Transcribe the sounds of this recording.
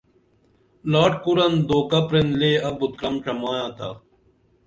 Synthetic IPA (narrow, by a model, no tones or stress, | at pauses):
laːʈ̚kuɾɐnd̪oːkapɾenleːɐbʊt̪̚kɾɐmʈʰɐmaːjãːt̪ʰa̰ː